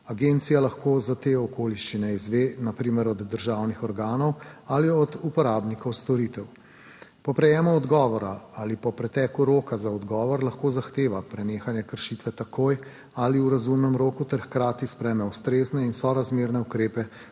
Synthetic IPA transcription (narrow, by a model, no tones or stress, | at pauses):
aɡent̪sijalaxkoːzat̪eːɔkoːliʃt͡ʃinɛizʋeːnapɾiːmɛɾɔd̪ːəɾʒaːwnixɔɾɡaːnɔwaliɔd̪upɔɾaːbnikɔwst̪ɔɾiːt̪ɛw | pɔpɾɛjɛːmɔɔd̪ɡɔːʋɔɾaalipɔpɾɛt̪ɛːkuɾoːkazaɔd̪ɡɔːʋɔɾlaxkozaxt̪eːʋapɾɛneːxanjɛkəɾʃit̪ʋɛt̪akoːj | aliuɾazumnɛmɾoːkut̪ɛɾxkɾaːt̪ispɾɛːmɛust̪ɾeːznɛinsɔɾazmeːɾnɛukɾeːpɛ